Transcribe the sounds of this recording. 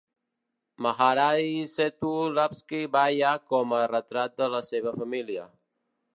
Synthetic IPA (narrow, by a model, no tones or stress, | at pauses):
maɣaɾajset̪ulapskibajakɔmərət̪ɾat̪̚d̪ələseβəfəmiliə̰